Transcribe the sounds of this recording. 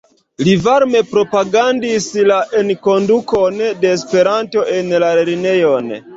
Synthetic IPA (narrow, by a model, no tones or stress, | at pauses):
livaɾme̞pɾo̞paɡandislaʔenko̞ndukonde̞ːspe̞ɾanto̞ʔe̞nlaeɾine̞jon